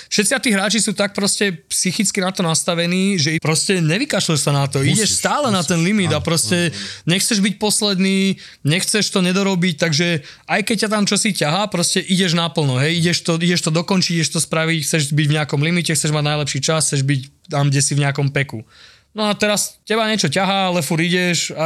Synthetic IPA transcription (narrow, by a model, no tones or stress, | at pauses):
fʃɛt̪t͡siat̪iːɦɾaːt͡ʃisuːt̪ak̚pɾɔscɛpsixit͡skinat̪ɔnast̪aʋɛniːʒɛpɾɔscɛɲɛʋikaʃɛʃsanat̪ɔiɟɛʃst̪aːlɛnat̪ɛnlimid̪apɾɔscɛɲɛxt͡sɛʒbic̚pɔslɛd̪niː | ɲɛxt͡sɛʃt̪ɔɲɛd̪ɔɾɔbic̚t̪aɡʒɛ | ajkɛc̚cːat̪̬amt͡ʃɔsicaɦapɾɔscɛʔiɟɛʒnapl̩ˠnɔɦɛjiɟɛʃt̪ɔiɟɛʃt̪ɔd̪ɔkɔnt͡ʃiɟiiɛʃt̪ɔspɾaʋicxt͡sɛʒbiɟvɲɛakɔmlimicɛxt͡sɛʒmaɟnajlɛpʃiːt͡ʃasxt͡sɛʒbict̪amɡɟɛsivɲɛakɔmpɛku | nɔat̪ɛɾastɛbaɲɛt͡ʃɔcaɦaalɛfuɾiɟɛʃa